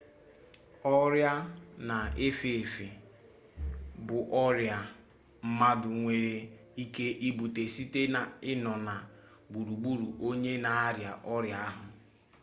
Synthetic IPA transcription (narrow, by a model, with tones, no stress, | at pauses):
ɔ˦ɾja˦na˨e˦fe˨e˨fi˨ | bʊ˨ʔɔ˦ɾja˨ | m̩˦ma˦dʊ˨ŋʷe˨ɾe˨ | i˦ke˦ʔi˦bu˨te˨si˦te˦na˨ɪ˦nɔ˨na˨ | ɡ͡bu˨ɾu˨ɡ͡bu˦ɾu˨ʔo˦ɲe˦na˨a˦ɾja˨ʔɔ˦ɾja˦a˦ɦʊ˨